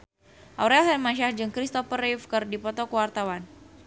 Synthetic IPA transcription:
ʔawɾɛlɛnmaʃahd͡ʒɨŋkɾist̪ɔfərifkərdipɔt̪ɔkəwart̪awan

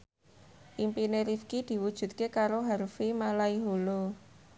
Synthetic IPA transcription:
ʔimpineɾifkid̪̥i̤wud̥ʒ̥ṳt̪̚kekaɾoɦaɾfimalaiɦolo

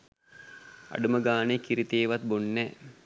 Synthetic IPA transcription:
ɐ̰ɖuməɡaːnekiɾit̪eːʋɐt̪̚bonːɛ

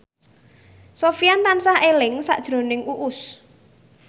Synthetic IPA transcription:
sofijant̪ansahelɪŋsa̰ʔd̥ʒ̥ɾo̤nɪŋʔuʔʊs

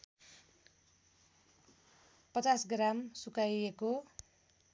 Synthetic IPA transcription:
pʌt͡sasɡramsukajeko

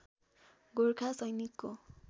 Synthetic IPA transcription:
ɡoɾkʰasʌjnikːo

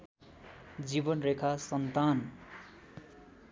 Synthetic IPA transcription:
d͡zibʌnrekʰasʌnt̪an

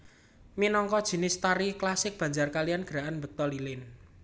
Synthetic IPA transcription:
minɔŋkɔd̥ʒ̥i̤nɪst̪aɾiklasɪk̚b̥ä̤ɲd͡ʒarkalijanɡ̥əɾaʔanbə̤k̚t̪ɔlilɪn

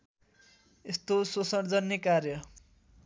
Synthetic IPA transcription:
est̪ososʌɽd͡zʌnːekarjʌ

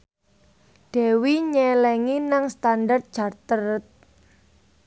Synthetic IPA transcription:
d̥ɛ̤wiɲɛlɛŋinaŋst̪andart̪̚d̥ʒ̥a̤rt̪əɾt̪̚

